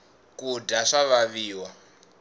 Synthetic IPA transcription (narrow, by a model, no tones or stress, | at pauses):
kudaʂaβaβiːwa